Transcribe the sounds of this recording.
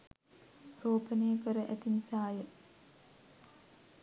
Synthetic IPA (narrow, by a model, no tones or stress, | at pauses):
roːpəneːəkəɾəʔæt̪inisaːjə